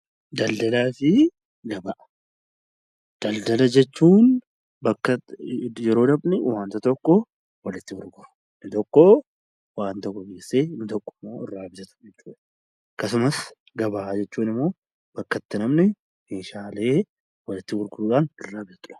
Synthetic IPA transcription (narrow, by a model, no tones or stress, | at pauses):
d̪ɐld̪ɐlaːfɪ | ɡɐbaʔɐ | d̪̥ɐld̪ɐlɐd͡ʒɛt͡ʃːuːn | bɐkːɐjɛɾo̞ːd̪ɐbnɪwaːnt̪ɐt̪ɔkːɔ | wɐlɪt̪ːɪhʊɾɡʊɾʊ̥ | nɪt̪ɔkːɔ | waːnt̪ɔkːɔɡeːsːe̞ːɪnɪt̪ɔkːʊ̥mːo̞ːɪrːaːbɪzɐt̪ʊ̥d͡ʒɛt͡ʃːuːᶑɐ | kɐsʊmɐs | ɡɐbaːd͡ʒɛt͡ʃːuːnɪmːo̞ː | b̥ɐkːɐt̪ːɪnɐmnɪ | meːʃaːle̞ː | wɐlɪt̪ːɪhʊɾɡʊɾuːᶑanɪrːaːbɪzɐt̪ʊᶑɐ̥